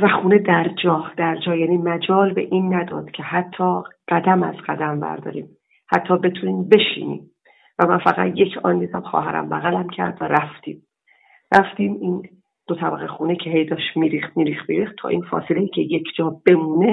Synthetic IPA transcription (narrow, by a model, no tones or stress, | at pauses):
væxuːne̞d̪æɾd͡ʒɒːhd̪̥æɾd͡ʒɒːjæːniːmæd͡ʒɒːlbeʔiːnːæd̪ɒ̰ːd̪̥cʲʰe̞hæt̪ʰːɒːɢ̥æd̪æmæzɢæd̪æmvæ̰ɾd̪ɒ̰ːɾḭːm | hæt̪ʰːɒːbe̞t̪ʰuniːmbe̞ʃḭːnḭːm | væmænfæɣæ̰t̪je̞cʰɒ̰ːnd̪iːd̪æmxɒ̰ːɦæɾæ̰mbæɣælæmcʰæ̰ɾd̪væɾæft̪ḭːm | ræft̪iːmiːn | d̪̥ot̪ʰæbæɣexuːnecʰeɦejd̪ɒːʃmiːɾiːxt̪̚miːɾiːxt̪miːɾiːxt̪t̪ʰɒ̰ːʔiːnfɒ̰ːselejiːcʰe̞jekʰd͡ʒɒːb̥e̞muːne